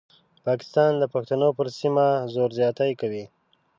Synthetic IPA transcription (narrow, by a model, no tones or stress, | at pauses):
pɑkɪ̥st̪ɑnd̪əpaxt̪anopəɾsimazoɾzjɑt̪ajkawi